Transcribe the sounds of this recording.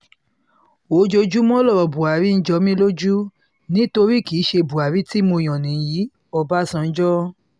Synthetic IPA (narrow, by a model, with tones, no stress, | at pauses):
o˨˦d͡ʒo˧d͡ʒu˦mɔ̃˦lɔ˦˨ɾɔ˨bu˨a˨ɾi˨˦n̩˦d͡ʒɔ˧˦mĩ˦lo˦d͡ʒu˦ | nĩ˨˦to˧ɾi˦˨ki˨˦ʃe˧bu˨a˨ɾi˨˦ti˦mo˧˨j̃ɔ̃˨nĩ˨ji˨˦ | ɔ˧ba˦sã˧n̩˦d͡ʒɔ˦